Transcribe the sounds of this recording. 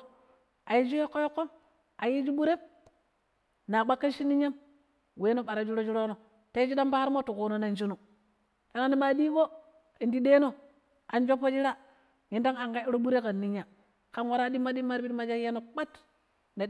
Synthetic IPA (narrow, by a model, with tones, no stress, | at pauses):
a˨ji˦d͡ʒu˦jo˦kːo˦jo˦kːo˦m | a˨ji˦d͡ʒu˦ɓu˦ɾe˦b | na˨ɓa˦kːa˦ʃi˦nːi˦ɲa˦m | we˦no˦ɓa˨ɾa˨d͡ʒu˦ɾo˦d͡ʒu˦ɾo˦no˨ | ta˦i˦d͡ʒi˦da˦mba˦a˦ɾmo˦tu˨ku˨no˨na˨nd͡ʒu˦no˨ | ka˨na˦ni˦ma˨di˦ko˦ | i˨ndi˦de˦no˦ | a˨nd͡ʒa˦pːo˦d͡ʒi˦ɾa˦ | ji˨˦nda˦ŋa˨ŋɡa˦ɾo˦ɓu˦ɾe˦ka˨nːi˦ɲa˨ | ka˦nwa˦ɾa˦di˦mːa˦di˦ma˦ɾbi˦tma˦d͡ʒa˦je˦no˨k͡pa˦t | ne˨